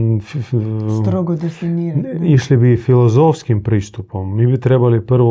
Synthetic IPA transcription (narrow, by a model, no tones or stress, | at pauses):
fst̪ɾoɡod̪efiniːɾiʃlibifilˠozofskimpɾiːst̪upomːiːbit̪ɾe̞balipr̩ʋo